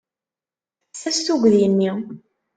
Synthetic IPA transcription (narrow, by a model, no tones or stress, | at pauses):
sæsθuɡʷðjənːi